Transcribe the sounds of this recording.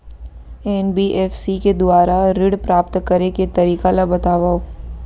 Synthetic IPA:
ɛnbiʔɛːfsiked̪ʊaːɾaɾɪɽpɾaːp̚t̪kɐɾeket̪ɐɾiːkalabɐt̪aːʋaːoː

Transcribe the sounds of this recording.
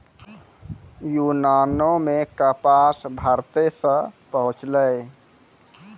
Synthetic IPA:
junanomekəpasbʱəɾt̪esə̃pəɦũt͡ʃləj

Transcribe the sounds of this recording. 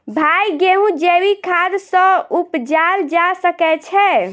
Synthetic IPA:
bʱajɡeɦũd͡ʒewikʰad̪sə̃upd͡ʒaɾd͡ʒasəkɛt͡ʃʰɛ

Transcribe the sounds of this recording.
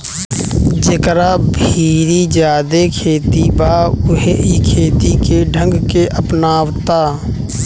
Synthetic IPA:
d͡ʒekɾabʱiːɾid͡ʒjaːd̪ekʰeːt̪ibaːʊɦeikʰeːt̪ikeɖʱə̃ŋɡkeʔəpnaːwt̪aː

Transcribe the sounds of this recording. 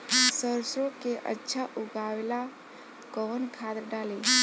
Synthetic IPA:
səɾsɾokeʔə̰tːʃʰaʔʊɡawela | kɔnkʰad̪ɾɖaːli

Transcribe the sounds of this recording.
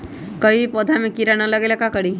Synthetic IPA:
kəipɔd̪ʱamẽkiɾanaləɡelakakəɽi

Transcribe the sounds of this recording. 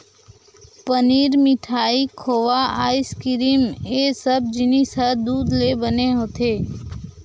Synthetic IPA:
pəniːɾmɪʈʰaːikʰoːʋaaːɪskɪɾiːmeːsəb̚d͡ʒɪnisəd̪uːd̪lebəneɦoːt̪eː

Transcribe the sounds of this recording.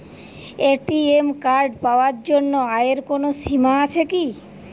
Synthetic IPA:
eʈiemkaɾɖpaoaɾd͡ʑonːoaeɾkonoʃimaat͡ɕʰeki

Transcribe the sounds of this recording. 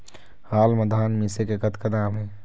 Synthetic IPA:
haːlməd̪ʱaːnmiːsekekɐt̪kanaːmɦɛː

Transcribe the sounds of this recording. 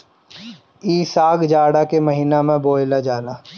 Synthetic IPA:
iːsaːɡd͡ʒaːɽakemɐɦiːnamẽboːɪlad͡ʒaːnaː

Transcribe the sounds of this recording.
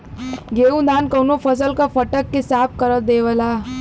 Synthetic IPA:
ɡeũd̪ankəwnofəs̬əlkafəʈəkːisap̚kəɾət̪̚d̪eʋəla

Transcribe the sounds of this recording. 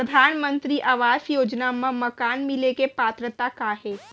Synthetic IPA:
pɾəd̪ʱaːnmə̃nt̪ɾiʔaʋaːʃjoːd͡ʒnamãmɐkaːnmɪlekepaːt̪ɾət̪akaɦɛː

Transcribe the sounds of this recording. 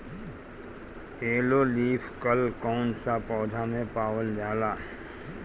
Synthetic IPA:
eːloliːpʰkəlkɔːnsapɔːd̪ʱamẽpaːwəld͡ʒaːlaː

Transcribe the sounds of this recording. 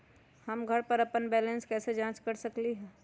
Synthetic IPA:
hɐmɡʱɐɾpəɾɐpənbɛːlẽnskɛːsed͡ʒãːt͡ʃkəɾsəkliɦɛː

